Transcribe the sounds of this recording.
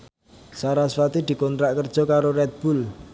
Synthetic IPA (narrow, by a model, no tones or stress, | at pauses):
saɾasfat̪id̪̥i̤kɔnt̪ɾaʔkərd̥ʒ̥ɔ̤kaɾorɛt̪̚b̥ul